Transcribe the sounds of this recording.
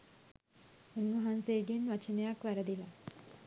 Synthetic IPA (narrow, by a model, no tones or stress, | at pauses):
unʋaɦanseːɡenʋat͡ʃenejakʋæɾəd̪ila